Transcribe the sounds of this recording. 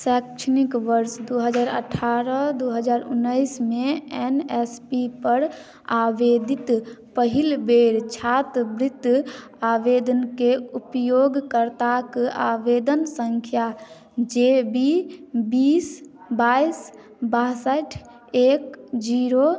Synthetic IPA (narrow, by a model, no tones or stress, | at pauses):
sɛkt͡ʃʰnikʋəɾsd̪oɦəd͡ʒaːɾə̰ʈʰːaɾəd̪oɦəd͡ʒaːɾṵnːəjsmeɛnɛspipəɾ | abed̪it̪pəɦilbeɾt͡ʃʰat̪bɾit̪ː | abed̪ənkeupjoɡkəɾt̪akaʋed̪ənsəŋkʰja | d͡ʒebibis | bajs | basəʈʰ | ekd͡ʒiɾo